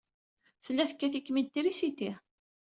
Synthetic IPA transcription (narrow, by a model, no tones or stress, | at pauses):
θəlːæθəkːæθikːmid̪̚t̪ːiɾisit̪i